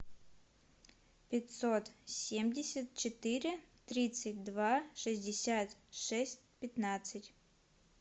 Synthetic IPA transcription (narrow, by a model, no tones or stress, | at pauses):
pʲɪtʲsot̪sʲemʲdʲɪsʲət̪̚t͡ɕɪt̪ɨɾʲɪt̪ɾʲit̪sɨt̚ʲd̪vaʂɨzʲdʲɪsʲat̪ʂɛsʲt̚ʲpʲɪt̪nat̪sɨtʲ